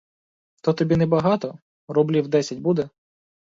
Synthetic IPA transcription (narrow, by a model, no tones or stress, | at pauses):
t̪ɔt̪ɔbʲinɛbɐɦɑt̪ɔ | ɾɔblʲiwd̪ɛsʲɐtʲbud̪ɛ